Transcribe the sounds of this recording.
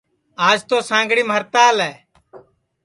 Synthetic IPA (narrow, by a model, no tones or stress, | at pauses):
aːd͡ʒt̪oːsãːŋɡɽiːməɾt̪aːlɛː